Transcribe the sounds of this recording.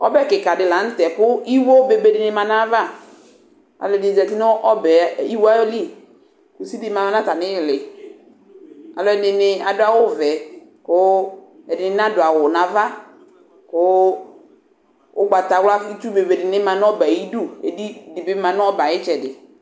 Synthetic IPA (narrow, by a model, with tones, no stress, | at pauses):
ɔ̰˦bɛ˦kɪ˨ka˨dɪ˨la˨n̩˦tɛ˨kʊ˦i˦wo˦be˨be˨dɪ˨nɪ˦mã˨na˦va˦˨ | a̰˨lɔ˨ɛ˨dɪ˨zɛ˨ti˦n˦ʔɔ˦bɛ˨˦i˦wo˦a˦li˦˨ | kʊ˨si˦bi˦mã˨ma˦na˦ta˨nɪ̃˦ɪ˨lɪ˨ | a̰˨lɔ˨ɛ˨nɪ˨nɪ˨a˨dʊ˦a˨˦wʊ˦˨vɛ˨ | kʊ˦ | ɛ˨dɪ˨nɪ˨˦n˦a˦dʊ˨a˨wʊ˨nã˨va˦ | kʊ˦ | ʊ̰˦ɡ͡ba˨ta˨wa˦i˦tu˦be˨be˨dɪ˨nɪ˦mã˨n˦ɔ˦ba˨ji˦du˦ḛ˨di˦˨dɪ˨bɪ˦mã˨nʊ˦ɔ˦ba˨jɪ˦t͡ʃɛ˨dɪ˨